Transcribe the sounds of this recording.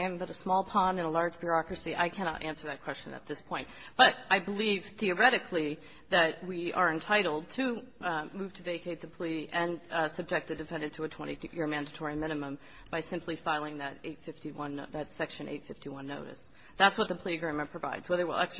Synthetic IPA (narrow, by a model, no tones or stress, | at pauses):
ɨ̃mbʌɾɨsmɔlˠpʰɑ̃ndɨ̃nəlɑɹd͡ʒbjə˞ɑkɹɨsiʔa̰ɪkʰæñɑ̰ɾʔæ̃nsə˞ðɨt̚kʰw̥ɛst͡ʃɨ̰̃nɨ̰t̪̚ðɪspʰɔ̃ɪ̃nt | b̥ʌɾʔaɪbəliv̥θiə˞ɛɾɨkʰli | ðɨt̚wiʔə˞ɨ̃ntʰaɪɾl̩ˠd̚tʰɨmʉv̥tʰɨveɪkʰeɪt̪̚ðɨpʰl̥iɨ̃nsʌb̚d͡ʒɛk̪̚ðɨdɨfɛ̃ndɨ̃ntʰɨɨtʰw̥ɛ̃ɾ̃ijɪɹmæ̃ndɨtʰɔɹimɪ̃ñɨmə̃m | b̥aɪsɪ̃mpʰlifaɪlˠɪ̃ŋðɨɾḛɪtfɪftiwʌ̃nðɨtsɛkʃɨ̃nʔḛɪtfɪftiwʌ̃nːoʊɾɨ̰s | ðætswʌt̪̚ðəpʰl̥iɨɡɹĩmɨ̃npʰɹ̥ɨva̰ɪdz̥wɛðə˞wɪ̰lˠɛ̰ks